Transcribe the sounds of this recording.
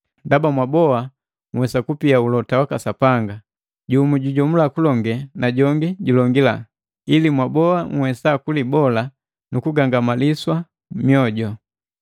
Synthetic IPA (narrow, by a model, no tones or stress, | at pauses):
ndabamwabɔa | ŋwɛsakupiaulɔtawakasapaŋɡa | ɟumuɟuɟɔmulakulɔŋɡɛnaɟɔŋɡiɟulɔŋɡila | ilimwabɔaŋwɛsakulibɔla | nukuɡaŋɡamaliswa | mijɔɟɔ